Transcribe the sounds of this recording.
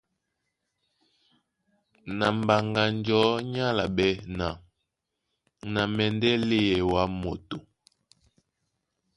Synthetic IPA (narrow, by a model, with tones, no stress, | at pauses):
na˨m̩˨ba˨ŋɡa˨nd͡ʒɔ˨˦ɲa˦la˨ɓɛ˦na˨ | na˨mɛ˨ndɛ˦le˦jɛ˨wa˦mo˨to˨